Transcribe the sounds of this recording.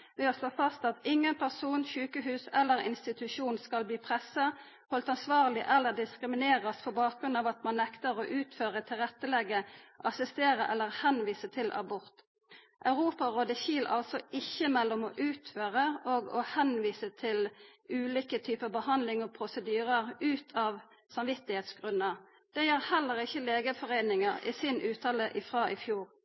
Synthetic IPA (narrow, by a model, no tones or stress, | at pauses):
ʋeːɔsloːfɑst̪ɑt̪ɪŋːənpʰæʁsuːnçʉːkəɦʉːsɛlːəʁɪ̰nst̪ɪt̪ʉʃuːnskɑlbliːpʰʁɛsːɑ | hɔlt̪ɑnsʋɑːʁlɪʔɛlːəʁd̪ɪskʁɪmɪneːʁəspɔbɑːk̚ʁʉnɑːʋɑt̪mɑnːɛkt̪əʁoʔʉːt̪føːʁət̪ʰɪlʁɛt̪ːəlɛɡəʔɑsɪst̪eːʁəʔɛlːəʁhɛnʋiːsət̪ʰɪlʔɑ̰bʊʁt̪ | ʔɑʉʁuːpɑʁoːd̪əçiːlʔɑ̰lsɔɪçːəmɛlːɔmɔʔʉːt̪føːʁəoɡɔhɛnʋiːsət̪ʰɪlʉːlikət̪ʰyːpəbəhɑnd̪lɪŋɔpʰʁʊsəd̪yːʁəʁʉːt̪ʰɑːʋ | sɑmʋɪt̪ːɪheːt̪sɡ̥ʁʉnːəʁ | d̪̥ɛjæʁhɛlːəʁɪçːəleːɡəfɔʁeɪnɪŋəʁɪ̰ːsɪnʔʉːt̪ʰɑːləʔɪfʁɑːʔɪfjuːʁ